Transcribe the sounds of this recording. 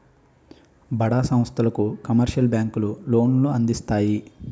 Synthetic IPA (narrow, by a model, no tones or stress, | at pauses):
bɐɽaːsɐ̃m̃st̪ʰɐlɐkukɐmɐɾʃɐlbjaːŋkululo̞ːnluɐnd̪ist̪aːji